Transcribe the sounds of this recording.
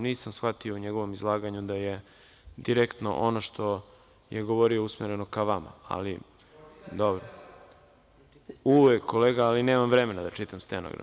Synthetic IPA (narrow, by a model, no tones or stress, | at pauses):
niːsamsxʋat̪io̞uɲeɡo̞ʋo̞mizlˠaːɡaɲud̪aje̞ | d̪iɾekt̪no̰ʔonoʃt̪ʰo̞ | jʔeɡoʋoɾio̞usmeɾe̞no̞kaʋama̰a̰li | d̪obɾo | uʋekʰːoleːɡaːline̞ːmamvɾe̞me̞nad̪at͡ʂit̪amst̪eno̰ɡɾa̰